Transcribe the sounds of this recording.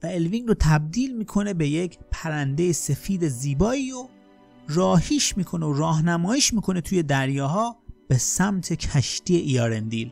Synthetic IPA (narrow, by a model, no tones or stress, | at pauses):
væe̞lviŋɾot̪ʰæb̚d̪iːlmiːkʰo̞ne̞be̞jecʰpʰæɾænd̪e̞jese̞fiːd̪eziːbɒːiːɾo | rɒːhiːʃmiːkʰo̞neoɾɒːɦnæmɒːjiːʃmiːkʰo̞ne̞t̪ʰuːje̞d̪æɾjɒːɦɒːb̥e̞sæmt̪ʰe̞cʰæʃt̪iːeʔiɒːɾend̪iːl